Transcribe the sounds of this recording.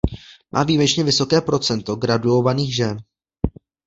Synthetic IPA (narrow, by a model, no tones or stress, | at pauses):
mʔa̰ːviːmɛt͡ʃɲɛvɪso̞kɛːpɾo̞t͡sɛnt̪o̞ɡɾaduo̞vaniːxʒɛn